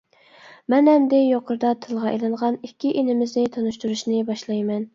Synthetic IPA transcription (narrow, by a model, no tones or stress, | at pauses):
mɛnɦɛmd̪ɪjoqʰəɾd̪ɑt̪ʰɨlˠʁɑʔelˠɨɴʁɑnikʲːiʔenɪmɪznɪt̪ʰonuʃt̪uɾuʃnɪbɑʃlˠɑjmɛn